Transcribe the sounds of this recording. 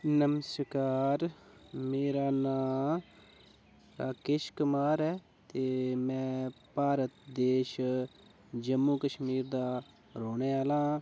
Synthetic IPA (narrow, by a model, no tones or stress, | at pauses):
nəməskaːɾ | meːɾaːnaː | ɾaːkɪʃkʊmaːɾɛː | t̪eːmɛ̃ːpaːɾət̪̚d̪eːʃ | d͡ʒəmːuːkəʃmiːɾd̪aː | ɾoːɳeːaːlãː